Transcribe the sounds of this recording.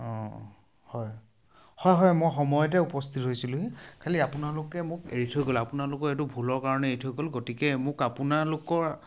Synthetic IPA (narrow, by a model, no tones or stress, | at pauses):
ɔ̃ | hɔj | hɔjɦɔjmɔjxɔmɔjɔtɛupɔstʰitɦojsilʊɦikʰaliapʊnalʊkɛmʊkeɹitʰojkolapʊnalʊkɔɹetubʱulɔɹkaɹɔnɛeɹitʰojɡɔlɡotikɛmʊkapunalʊkɔɹ